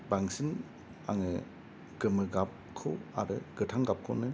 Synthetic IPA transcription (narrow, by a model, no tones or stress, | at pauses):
baŋsin | a̰ŋɯ | ɡ̥ɯmɯɡap̚ | kʰɯwa̰ɾɯɡ̥ɯtʰaŋɡap̚kʰɯwnɯ